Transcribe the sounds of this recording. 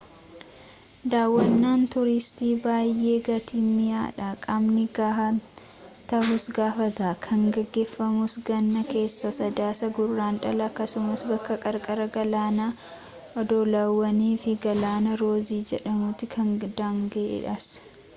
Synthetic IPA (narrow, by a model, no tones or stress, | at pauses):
d̪aːwːɐnːaːnt̪ʊɾɪst̪iːbaːjːe̞ːɡɐt̪imɪja̰ːᶑɐkʼɐmnɪɡaːhɐ | t̪ɐhʊsɡaːfɐt̪aːkʰɐŋɡɛɡːe̞ːfːɐmʊsɡɐnːɐke̞ːsːɐsɐd̪aːsɐɡʊrːaːnᶑɐlɐːkːɐsʊmɐsbɐkːɐkʼɐɾkʼɐɾɐɡɐlaːnɐ | ʔɔd̪oːlaːwːɐniːfɪɡɐlaːnɐɾo̞ːziːd͡ʒɛᶑɐmʊt̪ːɪkʰɐŋd̪aːŋɡɐʔḛᶑɐs